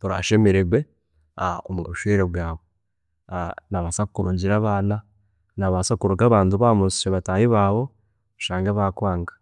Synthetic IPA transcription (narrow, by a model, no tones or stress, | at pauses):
toɾa̰ʃe̞meɾeɡwe | aomoβuʃweɾeβwaːβo | naβasakukuɾuːɲɟiɾaβaːna | naβasakuɾuɡaβaːntuβaːmusi̥ʃeβataːjiβaːβo̞ | ʃaːŋɡaβaːkwaːŋɡḁ